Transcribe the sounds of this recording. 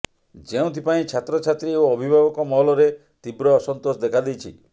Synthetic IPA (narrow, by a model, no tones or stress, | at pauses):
d͡ʒeũt̪ʰipaĩt͡ʃʰat̪ɾɔt͡ʃʰat̪ɾiewɔbʱibʱabɔkɔmɔɦɔlɔɾe | t̪ibɾɔːsɔnt̪osd̪ekʰad̪ejt͡ʃʰḭ